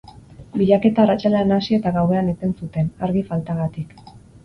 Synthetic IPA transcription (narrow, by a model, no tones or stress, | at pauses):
biʎake̞t̪aːrat͡ʃaleanasie̞t̪aɣawe̞anet̪e̞nsut̪e̞naɾɣifalt̪aɣat̪ik